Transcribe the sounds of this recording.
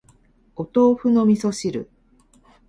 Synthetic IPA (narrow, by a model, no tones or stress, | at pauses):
ot̪o̞ːɸɯ̟no̞mʲiso̞ɕiɾɯ̰